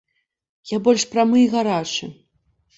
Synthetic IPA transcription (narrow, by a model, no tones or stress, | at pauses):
jabɔlʲʂpɾamɨjɣaɾat͡ʂɨ